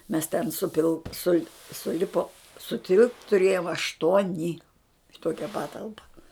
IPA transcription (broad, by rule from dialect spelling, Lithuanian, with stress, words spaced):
mʲɛs tʲɛn ˈsʊpʲɪlˠ sʊlʲ sʊˈlʲɪpoːm sʊˈtʲɪlˠpt tʊˈrʲeːjoːm ɐʃˈtuɔnʲɪ ɪ ˈtoːkʲɛ ˈpɑːtɐlˠpɐ